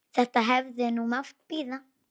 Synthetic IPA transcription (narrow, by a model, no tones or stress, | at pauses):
θat̪aɦɛvðenumafpiða